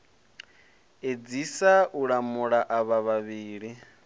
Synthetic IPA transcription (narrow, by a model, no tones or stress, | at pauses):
ed͡zisaʔuɺamuɺaʔaβaβaβiːɺi